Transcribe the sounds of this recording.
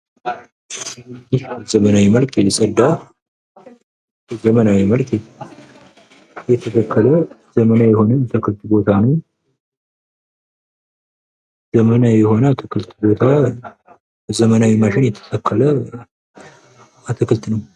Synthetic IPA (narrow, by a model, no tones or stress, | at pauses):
iʃzəmənawiməlkʼjɛsəd̪ːaw | zəmənawiməlkʼ | jɛt̪ʰət̪ʰəkʰːələ | zəmənajɛhonəmt̪ʰɨkʰɨlt̪ʼbo̞t̪ʰanəw | zəmənajɛho̞nəat̪ʰəkʰɨlt̪bo̞t̪ʰa | zəmənawiməʃɪnjɛt̪ʰə̥t̪ʰəkʰːələ | at̪ʰəkʰɨlt̪nəw